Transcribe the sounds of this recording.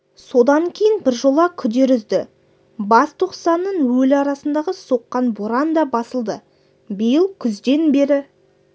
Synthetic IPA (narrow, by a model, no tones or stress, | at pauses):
so̞d̪ɑŋkʲʰejɪnbɪɾʒo̞lˠɑkʲʰʏd̪e̞ɾʏzd̪ɪ | bɑst̪ʰoqsɑnːəɴwɵlɑɾɑsənd̪ɑʁəso̞qːɑnboɾɑnd̪ɑbɑsəlˠd̪ə | bijəlˠkʲʰʏzd̪e̞nbeɾɪ